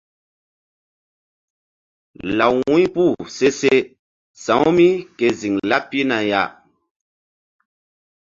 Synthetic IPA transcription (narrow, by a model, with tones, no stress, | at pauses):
la˨wwũ˦pu˦˨se˦se˦ | sã˨˦wmi˦ke˨zi˨ŋla˦pi˦na˨ja˨